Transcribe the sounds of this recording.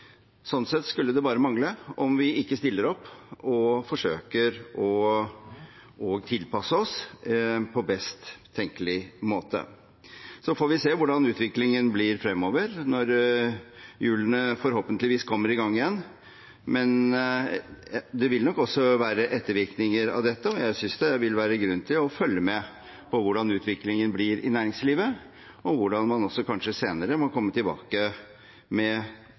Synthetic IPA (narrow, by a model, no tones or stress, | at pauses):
sɔnsɛt̪ːskʉlːəd̪ɛbɑːɾəmɑŋləɔmʋɪʔɪkːəst̪ɪlːəɾɔpːɔfɔʂøːkəɾɔ | ɔɡt̪ʰɪlpɑsəɔs | pʰɔbɛst̪ʰːɛŋkəlɪmoːt̪ə̰ | sɔfoːɾʋɪseːʋʊɖɑnʉːt̪ʋɪklɪŋənblɪɾfɾɛmːoːʋəɾnɔɾ | jʉːlənəfɔɾhoːpənt̪lɪʋiːskʰɔmːəɾɪɡɑŋːɪjɛnː | mɛn | d̪ɛʋɪlnɔkːɔsːɔʋæːɾəʔɛt̪ːəɾʋɪɾknɪŋəɾɑ̰ʋd̪ɛt̪ːəɔjæɪsʏnsd̪ɛʋɪlʋæːɾəɡɾʉnːt̪ʰɪlɔfœlːəmɛ | pʰɔʋʊɖɑnʉːt̪ʰʋɪklɪŋənblɪɾɪ̰næːɾɪŋsliːʋə | ɔʋʊɖɑnmɑnɔsːɔkʰɑnʂəseːnəɾəmɔkʰɔmːət̪ɪlbɑ̰ːkə | mɛ